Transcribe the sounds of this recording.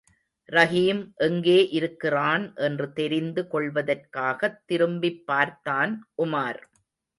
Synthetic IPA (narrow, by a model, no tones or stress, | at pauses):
ɾɐɣiːmʔɛŋɡeːʔɪɾɯkːɪraːnʔɛndrɯt̪ɛɾɪnd̪ɯkɔɭʋɐðɐrkaːɣɐt̪ːɪɾɯmbɪpːaːɾt̪ːaːnʔʊmaːɾ